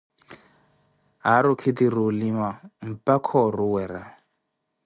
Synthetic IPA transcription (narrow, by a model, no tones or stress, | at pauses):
ɦaɾukʰit̪iɾulimam̩pakʰɔruwɛɾa